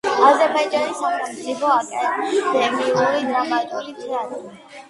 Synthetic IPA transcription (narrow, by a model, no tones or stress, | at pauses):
azɛpʰad͡ʒʼɛɾisaχɛlsʰʼipʰɔakʼɛt̪ʰid̪ɛmiuɾid̪ɾamat̪ʼulit̪ʰiania